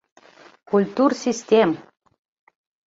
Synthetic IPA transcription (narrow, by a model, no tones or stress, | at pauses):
kulʲt̪ursʲisʲt̪ʲem